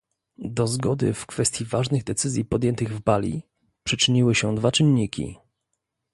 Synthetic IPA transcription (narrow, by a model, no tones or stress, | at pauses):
d̪ɔzɡɔd̪ɘ̰fkfɛst̪ʲjivaʐnɘɣd̪ɛt̪sɘzʲjipɔd̪jɛnt̪ɘɣvbalʲḭ | pʂɘt͡ʂɘɲiwɘɕɛd̪vat͡ʂɘnɲikʲḭ